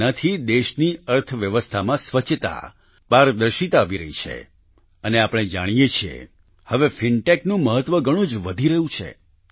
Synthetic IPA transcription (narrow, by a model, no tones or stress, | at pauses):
ət̪ʰid̪eʃniəɾt̪ʰʋjəʋəst̪ʰamãsʋət͡ʃʰːt̪a̰ | paɾd̪əɾʃit̪aːʋiɾə̰ɦit͡ʃʰḛ | əneapəɽ̃ed͡ʒaɽ̃ijet͡ʃʰiḛ | həʋefiɳʈeknũməɦət̪ʋəɡəɽ̃ũd͡ʒʋəd̪ʱiɾəɦũt͡ʃʰḛ